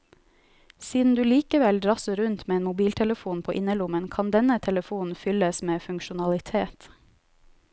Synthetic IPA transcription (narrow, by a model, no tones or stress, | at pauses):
siːd̪n̩d̪ʉːliːkəʋɛld̪ɾɑsəɾʉnt̪meːeːnmʊbiːlt̪ʰɛləfuːnpʰoːʔɪnəlʊmənkʰɑnd̪ɛnət̪ʰɛləfuːn̩fʏləsmeːfʉŋkʃʊnɑlɪt̪ʰeːt̪